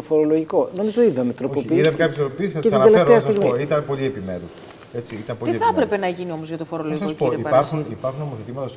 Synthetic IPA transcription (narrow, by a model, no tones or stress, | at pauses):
ofo̞ɾo̞lo̞ʝiko̞no̞mizo̞iðɐmet̪ɾo̞poiːiðɐkɐpjeseɾopiːsisɐet̪id̪elefɾeɐsiɣmioit̪ɐnpo̞lie̞pimḛɾus | e̞t͡siit̪ɐmpoliiθɐpɾepe̞nɐʝinio̞mozʝɐt̪ofoɾoloʝisksopoɾiɐɐɾxunipɐɾxunomoθet̪imɐt̪ɐs